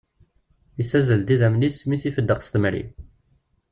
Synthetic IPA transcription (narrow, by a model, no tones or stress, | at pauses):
isæzəld̪iðæmlismiθifəd̪ːəʁst̪əmɾḭ